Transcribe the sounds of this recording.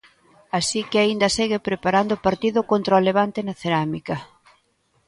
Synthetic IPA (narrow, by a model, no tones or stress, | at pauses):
asikeaind̪ɐseɣepɾepaɾand̪ʊpaɾt̪iðʊkont̪ɾaoleβ̞ant̪enaθeɾamikɐ